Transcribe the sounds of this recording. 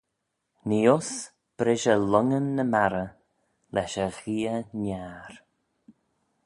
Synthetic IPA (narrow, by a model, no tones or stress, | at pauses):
niːʊs | b̥ɾɪʒəlʊŋənːəmaɾə | lɛʃəɣiːənaːɾ